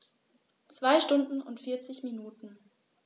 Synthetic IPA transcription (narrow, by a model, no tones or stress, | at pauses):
t͡sv̥aɪʃtʊndn̩ʊntfɪɐt͡sɪçminuːtn̩